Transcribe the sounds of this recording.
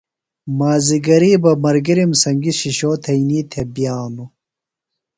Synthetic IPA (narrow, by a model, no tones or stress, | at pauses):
maːziɡɐɾiːbɐmɐɾɡiɾimsɐŋɡiɕiɕoːt̪ʰɐiniːt̪ʰebjaːnu